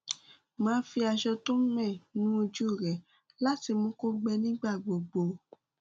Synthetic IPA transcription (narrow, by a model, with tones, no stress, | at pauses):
mãː˨˦fi˧a˧ʃɔ˧to˦mɛ̃˦˨nũ˨˦o˧d͡ʒu˦˨ɾɛ˨ | la˦ti˧mõ˦ko˦ɡ͡bɛ˧nĩ˦ɡ͡ba˦˨ɡ͡bo˨ɡ͡bo˧